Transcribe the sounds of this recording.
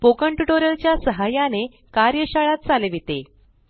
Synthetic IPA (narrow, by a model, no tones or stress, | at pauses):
pokəɳʈuʈoɾəlt͡ɕjasəɦajane | kaɾjəɕaɭat̪̚t͡saleʋit̪e